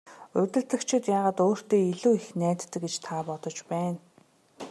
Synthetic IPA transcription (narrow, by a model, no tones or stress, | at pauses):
ʊt̪ɘ̆ɮt̪ɘ̆kt͡ɕʰɪ̆t̪jaːʁaːt̪oːr̥t̪eːiɮuːixnæːt̪ːɘ̆kɡet͡ɕt̪ʰapɔt̪ɞ̆t͡ɕpæːn